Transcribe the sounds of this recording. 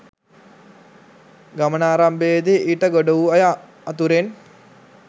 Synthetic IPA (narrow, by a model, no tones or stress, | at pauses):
ɡɐmənaːɾambed̪eʔiʈəɡoɖɐʋuɐjaː | t̪uɾen